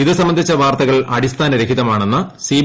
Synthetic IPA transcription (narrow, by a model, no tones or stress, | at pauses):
iðɨsɐmːbɐnd̪ʱit͡ɕːɐʋaːrt̪ɐɣɐɭɐɽist̪ʰaːnɐɾekʰiðɐmaːɳenːɐsiː